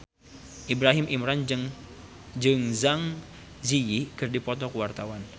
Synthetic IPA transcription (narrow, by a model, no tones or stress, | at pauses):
ʔibɾaɦɪmʔimɾan | d͡ʒɨŋzaŋ | zijikɨrdipɔt̪ɔkuwart̪awan